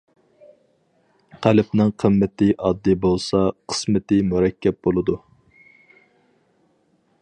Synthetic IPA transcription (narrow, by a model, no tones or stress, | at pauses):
qʰælɪpnɪŋqʰəmːɪt̪ɪʔɑd̪ːɨbolˠsɑqʰə̥smɪt̪ɪmuɾɛkʲʰːɛp̚bolˠɨd̪u